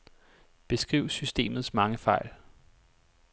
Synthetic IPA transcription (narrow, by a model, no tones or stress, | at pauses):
b̥e̝sɡ̥ʁiʊ̰sysd̥e̝̰ːmð̞̩ˠsmɑ̈ŋəfɑ̈ɪ̰l